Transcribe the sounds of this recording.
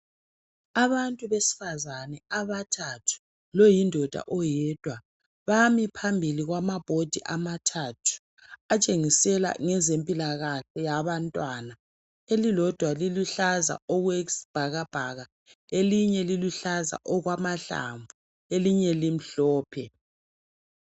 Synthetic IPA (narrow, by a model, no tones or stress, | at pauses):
aβantʼuβesi̥fazanɛaβatʰatʰu̥ | lɔjindʱɔd̥ʱa̰ʔɔjɛd̥ʱwa | βamipʰambʱiliɣwamab̥ʱod̥ʱiʔamatʰatʰu̥ | at͡ʃʼeŋisɛla̰ŋɛzempʼilaɣaɬɛjaβantʼwana | elilɔd̥ʱwaliluɬaza̰ɔɣwesi̥b̥ʱaɣab̥ʱaɣa | eliɲɛliluɬaza̰ʔɔɣwamaɬa̰ɱvu | eliɲɛlim̩ɬɔːpʰɛ